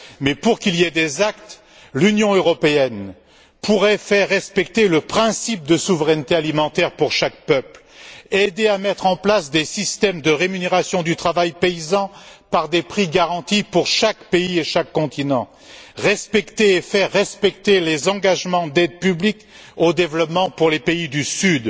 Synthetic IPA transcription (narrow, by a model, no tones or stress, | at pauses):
mɛpuʁkiljɛd̪ezakt̪ | lynjɔ̃øʁɔpeɛn | puʁɛfɛʁːɛspɛkt̪eləpχɛ̃sip̚d̪əsuvʁɛnt̪ealimɑ̃t̪ɛʁpuʁʃak̚pœpl | ed̪eamɛt̪χɑ̃plasd̪esist̪ɛmd̪əʁemyneʁasjɔ̃d̪yt̪χavajpeizɑ̃paʁd̪epχiɡaʁɑ̃t̪ipuʁʃakpeieʃakːɔ̃t̪inɑ̃ | ʁɛspɛkt̪eːfɛʁːɛspɛkt̪elezɑ̃ɡaʒmɑ̃d̪ɛd̪̚pyblik | od̪evlɔpmɑ̃puʁlepeid̪ysyd̪